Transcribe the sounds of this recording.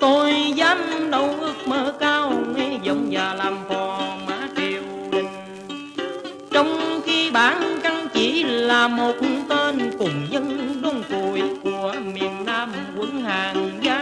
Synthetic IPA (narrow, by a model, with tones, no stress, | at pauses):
t̪o˧jzaː˨˦˥m̚ɗə˧˦wʔɨ˦˥ək̚məː˧˦kaː˧wŋɛ˧zə˨˦wŋ͡mzaː˨˩laː˨˩mfɔ˨˩maː˨˦t͡ɕe˨˩wɗi˨˩ŋ̟ | t͡ɕɔ˧wŋ͡mxi˧ɓaː˨˦nka˧ŋt͡ɕi˧˩laː˨˩mo˨˩t̚t̪e˧nkʊ˨˩ŋ͡mɲə˧nɗo˧ŋ͡mku˨˩jku˧˩əmi˨˩ənːaː˧m | kwə˨˦nhaː˨˩ŋzaː˨˦˥